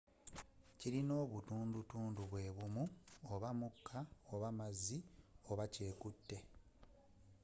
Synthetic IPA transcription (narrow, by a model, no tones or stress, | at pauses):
ciɾino̞ːβutuːndutuːnduβwe̞ːβumuoβamukʰːaoβamazioβace̞ːkutːe̞